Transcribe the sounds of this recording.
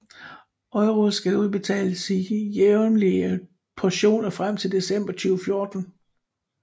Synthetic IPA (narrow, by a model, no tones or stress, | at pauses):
ɒ̽ɪʁosɡ̥æluðˠb̥e̝t͡sʰɛ̰ːləsijeʊnliə | pʰɒɕo̝̰ːnɐfʁam̰t͡sʰe̝ld̥e̝sem̰b̥ɐt͡sʰyːʊfjo̝ːɐd̥n̩